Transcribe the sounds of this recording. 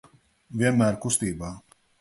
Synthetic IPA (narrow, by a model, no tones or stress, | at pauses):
vʲiɛnmæːɾkust̪iːbaː